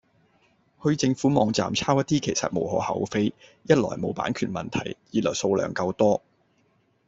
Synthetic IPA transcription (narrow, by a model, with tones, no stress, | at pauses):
hɵ˧ɥt͡sɪ˧ŋfuː˨˥mɔː˨˧ŋt͡sa̰ː˨mt͡sʰaː˥wjɐ˥t̚t̪iː˥kʰe˨˩jsɐ̰˨t̚mo˨whɔ̰ː˨˥hɐ˨˥wfe˥jjɐ˥t̚lɔ̰ː˨˩jmo˨˥wpaː˨˥nkʰyː˨˩nmɐ˨nt̪ʰɐ̰˨˩jjiː˨tlœː˨˩so˧wlœ̰ː˨˩ŋkɐ˧wt̪ɔː˥